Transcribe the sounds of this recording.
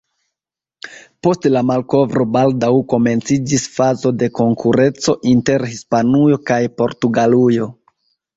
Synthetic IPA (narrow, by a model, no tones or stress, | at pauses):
po̞stlamalko̞vɾo̞baldawko̞me̞nt͡sid͡ʒisfazo̞de̞ko̞ŋkʰuɾe̞t͡so̞ʔinte̞ɾhispanujo̞kajpo̞ɾtuɡalujo̞